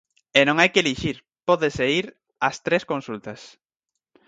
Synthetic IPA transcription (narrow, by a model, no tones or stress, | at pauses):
enõŋajkɪeliʃiɾ | pɔðɪseiɾ | ɐst̪ɾeskonsult̪ɐs